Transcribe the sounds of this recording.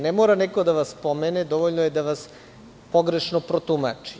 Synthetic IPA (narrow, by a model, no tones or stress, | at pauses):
nemoːɾaneko̞d̪aʋaspomened̪oʋoʎnojed̪aʋas | poɡɾe̞ʃnopɾot̪uma̰t͡ʃi̥